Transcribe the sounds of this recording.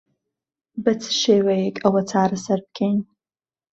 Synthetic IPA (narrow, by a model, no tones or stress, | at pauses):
bɨt͡sʰʃejwʷajekʼawat͡sʰaːrasarp̚kʰʲen